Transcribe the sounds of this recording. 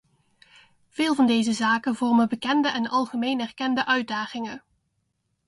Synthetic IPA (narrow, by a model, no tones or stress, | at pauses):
v̥ɪːlˠvɑndejzəzaːkənvɔrməbəkɛndəʔɛnɑlˠχəmejnɛrkɛndəʔœɥ̚daːχɪŋə